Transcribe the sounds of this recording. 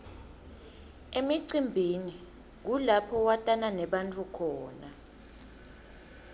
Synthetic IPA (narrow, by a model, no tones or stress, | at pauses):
emiǀimbʱini | k̬ulapʰɔwatʼananɛɓant͡fʰʼukʰɔːna